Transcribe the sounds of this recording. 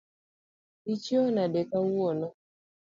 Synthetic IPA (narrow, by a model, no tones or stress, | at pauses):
it͡ʃjɔnadɛkawɔnɔ